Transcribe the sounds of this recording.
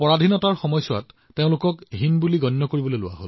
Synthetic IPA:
pɔɹadʱinɔtaɹxɔmɔjsʊwa̰tː | eʊ̃lʊkɔkɦinbuliɡɔnːɔkoɹibɔlojlʊwa̰ɦol

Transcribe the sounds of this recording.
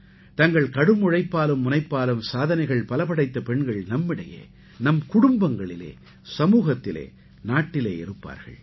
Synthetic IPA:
t̪ɐŋɡɐɭkɐɽɯmʊɻɐɪpːaːlɯmːʊnɐɪpːaːlɯmsaːðɐnɐɪɣɐɭpɐlɐpɐɽɐɪt̪ːɐpɛɳɡɐɭnɐmːɪɽɐjḛː | nɐmkʊɽʊmbɐŋɡɐɭɪlḛː | sɐmuːɣɐt̪ːɪlḛː | naːʈːɪleːɪɾɯpːa̰ːɾɣɐ̰ɭ

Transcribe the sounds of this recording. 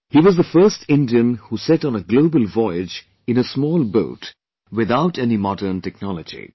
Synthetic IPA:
hiːʋɔzðəfɜːstʰɪ̃ndiə̃nhusɛɾ̃n̩əɡloʊbəlˠvɔɪɪd͡ʒ | ɨ̃nəsmɔːlˠbo̰ʊt | wɪðaʊtɛnimɑdəːntɛk̚nɑləd͡ʒḭ

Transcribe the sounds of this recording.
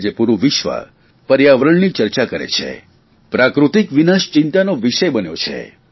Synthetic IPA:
d͡ʒepuɾuʋɪʃʋa̰ | pəɾjaʋɾəɳnit͡ʃəɾt͡ʃakəɾḛt͡ʃʰḛ | pɾakɾut̪ikʋinaʃt͡ʃɪ̃nt̪anoʋiʃəjbənjot͡ʃʰḛ

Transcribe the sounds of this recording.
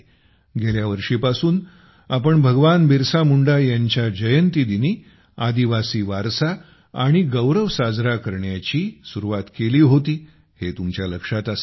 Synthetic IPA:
ɡeljaʋəɾʂiːpasuːn | apəɳbʱəɡʋanbiɾsamuɳɖajaɲt͡ɕjad͡ʑəjənt̪iːd̪iniː | ad̪iʋasiːʋaɾsaː | ɽ̃iɡəwɾəʋsad͡zɾakəɾɳjat͡ɕiːsuɾuʋat̪keliːɦot̪iː | het̪umt͡ɕjaləkʂat̪as

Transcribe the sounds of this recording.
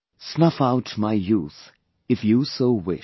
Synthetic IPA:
ssnʌfaʊtmaɪjuːθ | ɨfjusoʊwɪ̰

